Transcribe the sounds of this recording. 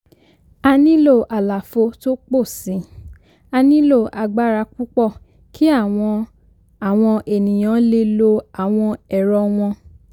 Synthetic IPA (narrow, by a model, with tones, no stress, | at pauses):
a˧nĩ˦lo˦˨ʔa˨la˨fo˧to˦k͡po˦˨sĩ˨˦ | a˧nĩ˦lo˦˨a˧ɡ͡ba˦ɾa˧ku˦k͡pɔ˦˨ | kʰi˦a˦˨w̃ɔ̃˧ | a˨w̃ɔ̃˧ʔe˨nĩ˨j̃ã˨˦le˧lo˧a˨w̃ɔ̃˧ɛ˨ɾɔ˧w̃ɔ̃˧